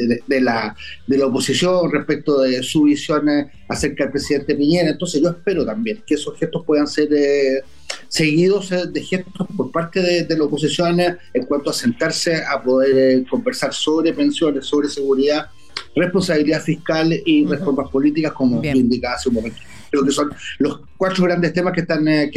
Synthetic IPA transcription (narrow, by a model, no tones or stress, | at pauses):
ed̪elad̪e̞laopo̞sisjo̞nrehpek̚t̪oðesuβisjo̞n | ase̞ɾkaðelpɾesiðe̞nt̪epiɲeɾaent̪onseʝoehpe̞ɾot̪ambje̞ŋkeesosxest̪ohpwe̞ðanseɾ | se̞ɣiðo̞sd̪exe̞st̪ospoɾpaɾt̪eðed̪elaopo̞s̬isjo̞neŋkwant̪oase̞nt̪aɾseapo̞ðeɾko̞mbeɾsaɾsoβɾe̞pe̞nsjo̞nesːo̞βɾe̞se̞ɣuɾiða | re̞hpo̞nsaβiliðafihkalirefo̞ɾmapo̞lit̪ikasko̞mot̪uind̪ikaaseunmo̞me̞nt̪okɾeokeso̞nlo̞s | kwatɾoɣɾand̪est̪emahkeht̪an